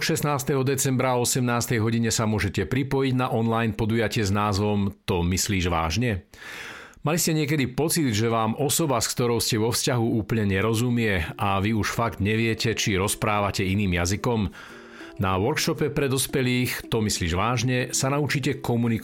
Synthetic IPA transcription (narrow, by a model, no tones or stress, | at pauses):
ʃɛsnaːst̪ɛɦɔd̪ɛt͡sɛmbɾaɔsɛmnaːst̪ɛjɦɔɟiɲɛsamʊɔʒɛcɛpɾipɔjiɟnaʔɔnlajnpɔd̪ujacɪɛznaːzʋɔmt̪ɔmisliːʒʋa̰ːʒɲɛ | maliscɛɲɪɛk̬ɛd̪ipɔt͡sid̪ʒɛʋaːmʔɔsɔbaskt̪ɔɾɔʊscɛʋɔfscaɦuuːpəlɲɛɲɛɾɔzumɪɛʔaʋiuʃfaɡd̪ɲɛʋɪɛcɛt͡ʃiɾɔspɾaːʋacɛiniːmjazikɔm | naʋɔɾkʃɔpɛpɾɛd̪ɔspɛliːxt̪ɔmisliːʒʋaːʒɲɛsanaut͡ʃicɛkɔmunik